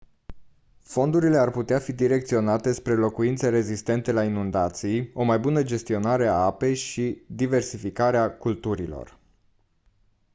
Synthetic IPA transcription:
fo̞nd̪uɾile̞arput̪eafid̪iɾe̞k̚t̪sio̞nat̪e̞spɾelo̞kuint̪seɾe̞zist̪e̞nt̪e̞lainund̪at̪sijo̞majbunəd͡ʒe̞st̪io̞naɾe̞aape̞jʃid̪ive̞rsifikaɾeakult̪uɾilo̞̰r

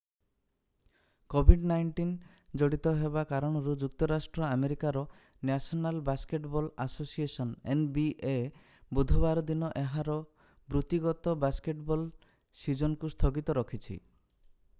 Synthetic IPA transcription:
kobʱiɖnajɳʈin | d͡ʒɔɽit̪ɔɦebakaɾɔɽ̃ɔɾud͡ʒuk̚t̪ɔɾasʈɾɔameɾikaɾɔ | nasɔnalbaskeʈbɔlasosiesɔnenbiʔe | bud̪ʱɔbaɾɔd̪inɔʔeɦaɾɔ | bɾut̪iɡɔt̪ɔbaskeʈbɔl | sid͡ʒɔnɔkust̪ʰɔɡit̪ɔɾɔkʰit͡ʃʰḭ

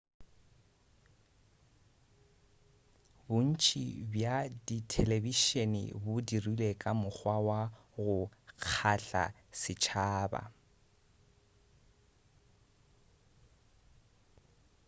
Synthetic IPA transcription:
bʊn̩t͡ʃʰʼḭbjaditʰɛleviʃenɪ̰bʊdirulekʼamʊk͡xʰwawa | ɣʊk͡xʰaɬa̰ | sɪt͡ʃʰaːba̰

